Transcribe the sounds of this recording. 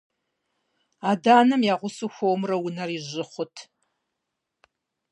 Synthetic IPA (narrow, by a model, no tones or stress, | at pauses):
aːdaːnɐmjaːʁʷʊsuxʷowmrɐwʊnɐriʑɪχʷʊtʰ